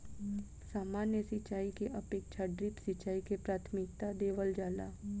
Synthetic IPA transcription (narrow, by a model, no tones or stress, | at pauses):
saːmaːnjəsɪt͡ʃaːikeʔɐpeːk̚t͡ʃʰaɖɾipsɪt͡ʃaːikepɾaːt̪ʰmɪk̚t̪ad̪eːʋəld͡ʒaːlaː